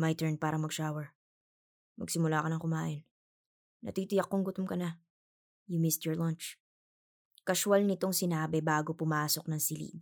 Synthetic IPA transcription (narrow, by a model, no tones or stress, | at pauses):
mɐjt̪ɛɹnpaːɾɐmɐɡʃaːwɛɹ | mɐ̰ɡsɪmʊlaːkɐnɐŋkʊmaːʔɪnː | ɐ̰t̪iːt̪ɪjɐkːoŋɡʊt̪omkɐna | jʊmɪst̪jɔɹlant͡ʃ | kɐʃʊalnɪt̪oŋsɪnaːbɛbaːɡopʊmaːso̞k̚nɐŋsɪlḭd̪̚